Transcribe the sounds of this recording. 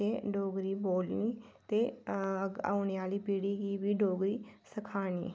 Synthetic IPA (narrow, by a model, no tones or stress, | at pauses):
eːɖoːɡɾiːboːlniːt̪eːɡa̰ːʊneːaːliːpiːɽiːɡiːbiːɖoːɡɾiːsəkʰaːnḭː